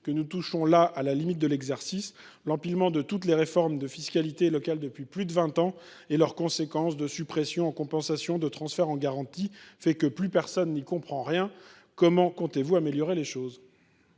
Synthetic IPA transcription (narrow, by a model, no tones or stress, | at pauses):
kənut̪uʃɔ̃laʔalalimit̪̚d̪əlɛɡzɛʁsis | lɑ̃pilmɑ̃d̪ət̪ut̪leʁefɔʁmd̪əfiskalit̪elɔkald̪əpɥiplyd̪əvɛ̃t̪ɑ̃ | elœʁkɔ̃sekɑ̃sd̪əsypχesjɔ̃ɑ̃kɔ̃pɑ̃sasjɔ̃d̪ət̪χɑ̃sfɛʁɑ̃ɡaʁɑ̃t̪ifɛkəplypɛʁsɔnːikɔ̃pχɑ̃ʁjɛ̃ | kɔmɑ̃kɔ̃t̪evuameljɔʁeleʃoz